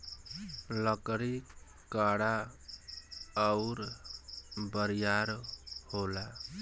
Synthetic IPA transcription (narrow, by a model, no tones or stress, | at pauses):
lʌkɾi | kaɽa | ʌwɾ | bəɾijaɾhola